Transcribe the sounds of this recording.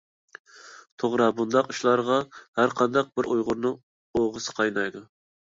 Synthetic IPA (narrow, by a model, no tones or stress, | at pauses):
t̪ʰoʁɾɑbund̪ɑquʃlˠɑɾʁɑhæɾqʰɑnd̪ɑq̚bɪɾujʁʊɾnɨ | oʁəsɨ̥qʰɑjnɑjd̪u